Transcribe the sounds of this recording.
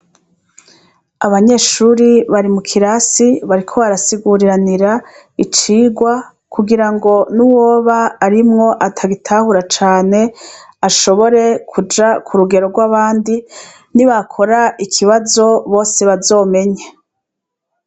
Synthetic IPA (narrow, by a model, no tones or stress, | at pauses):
aβaɲe̞ːʃuɾiβaɾimukʰiɾasiβaɾikʰoβaɾasiɡuɾiɾaniɾa | it͡ʃiːɡwa | kʰuɡiɾaŋɡo̞nuwo̞ːβaːɾimŋo̞ʔatʰaɡitʰahuɾat͡ʃaːne̞aʃo̞βo̞ɾe̞kʰud͡ʒakʰuɾuɡe̞ɾo̞ɡwaβaːndi | niβakʰo̞ɾaikʰiβazo̞βo̞ːse̞βazo̞ːme̞ɲa